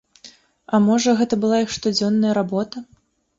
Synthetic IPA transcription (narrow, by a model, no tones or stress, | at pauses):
ɐmɔʐɐɣɛt̪ɐbɨlˠaixʂt̪ud͡zʲɔnːɐjɐɾabɔt̪ɐ